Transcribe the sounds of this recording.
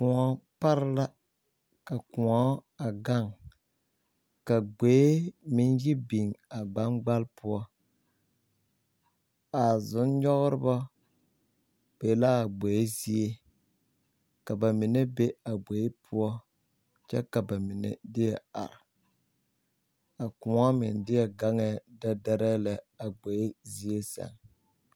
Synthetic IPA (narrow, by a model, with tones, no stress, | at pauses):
kʊ˨ɔ˨˦pa˦ɾɪ˦la˦ | ka˨kʊ˨ɔ˦a˨ɡa˦˨ŋ | ka˨ɡ͡be˨˦mɪ˨˦njɪ˦bi˨ŋa˨ɡ͡ba˨˦nɡ͡ba˦lpʊ˦ɔ˦ | a˨zʊ˨˦nɲɔ˦ɣɾɪ˦ba˦ | b̥e˨˦la˦a˨ɡ͡bo˨je˦zi˦e˦ | ka˨ba˨mɪ˨ne˦be˦a˨ɡ͡bo˨e˦pʰʊ˦ɔ˦ | t͡ʃɛ̰˦ka˨ba˨mɪ˨nḛ˨dɪ˦ɛ˨a̰˨ɾɪ˨ | a˨kʊ˨ŋɔ˦mɪ˨ndɪ˦jɛ˨ɡa˦ŋɛ˨da˦da˦ɾɛ˦la˨ | a˨ɡ͡bo˨je˦zi˦e˦sa̰˨ŋ